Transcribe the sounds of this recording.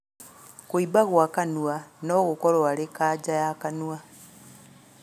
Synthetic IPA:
kuibaɣwakanuanoɣukoɾwalekad͡ʒajakanwa

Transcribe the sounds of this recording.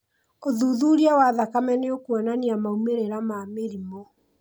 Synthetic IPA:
oðuðuːɾiawaðakamɛneokwananiamaumeɾeɾamameɾimo

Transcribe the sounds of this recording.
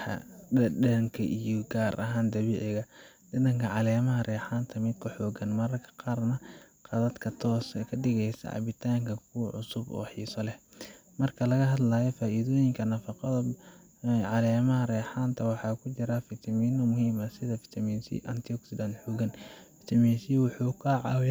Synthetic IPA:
ɐ̰ɛŋkʰɐʔijɔɡaːɾʔɐɦaːnd̪ɐβiːʕɪɣɐ | d̪ɪðɐŋkʰɐʕɑlɛːmɐɦɐrɛːħaːnt̪ʰɐmɪd̪kʰʊħɔːɡɐnmɐɾɐrkʰɐ̥qɑːrnɐ | qɑðɐd̪kʰɐt̪ʰɔːskʰɐɖɪɣɛjsɐ̰ʕɑ̰βɪt̪ʰaːŋkʰɐkʰuwʕʊsʊbɔ̰ːħiːsɔlɛhmɐrkʰɐlɐɣɐɦɐd̪laːjɔfaːʔiðɔːjɪŋkʰɐnɐfɑqɐðɐ | ʕɑlɛːmɐhɐrɛːħaːnt̪ʰɐwɑħɑːkʰʊt͡ʃɪɾɐfɪt̪ʰɐmiːnɔmʊhiːmɐsɪðɐfɪ̥t̪ʰɐminsḭʔɐnt̪ʰiɔksɪlanħuɡɐnfɪ̥t̪ʰɐmiːnsiwʊħuːkʰɐʕɑw

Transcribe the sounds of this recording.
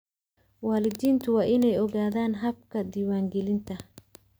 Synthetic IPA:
wɑːlɪd̪iːnt̪ʰʊwɑːʔɪnɛjɔɣaːðaːnɦɐb̚kʰɐd̪iːwaːŋɡɛlɪnt̪ʰɐ

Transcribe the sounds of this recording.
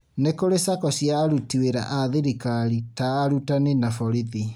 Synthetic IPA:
nekoɾesakɔsjaɾutiweɾa̰ʔaðeɾikaɾitaːɾutanenafɔɾiði

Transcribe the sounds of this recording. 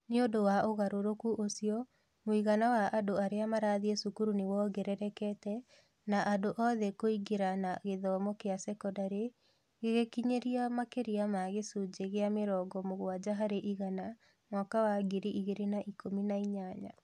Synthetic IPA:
neodowaoɣaɾoɾokuʔosiɔ | moiɣanawaʔadoaɾeamaɾaðiesukuɾunewɔɡɛɾɛɾɛkɛtɛ | naʔadoʔɔðɛkoiɡeɾanaɣeðɔmɔkeasɛkɔdaɾe | ɣeɣekiɲeɾiamakeɾiamaɣesud͡ʒeɣeameɾɔːɡɔmoɣwad͡ʑaɦaɾeʔiɣana | mɔkawaɡeɾiʔiɣeɾenaʔikominaiɲaɲa

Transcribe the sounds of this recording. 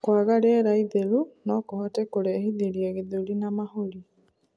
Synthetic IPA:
kwaɣaɾɛɾaiðeɾunɔkohɔtɛkoɾeːhiðeɾiaɣeðulinamahoɾi

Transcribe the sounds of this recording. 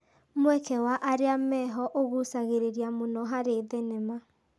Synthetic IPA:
mwɛkɛwaʔaɾeamɛɦɔʔoɣusaɣeɾeɾiamonɔɦaɾeðenema

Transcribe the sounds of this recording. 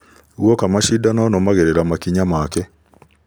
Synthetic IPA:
ɣokamaʃidanɔnɔmaɣeɾeɾamakiɲamakɛ

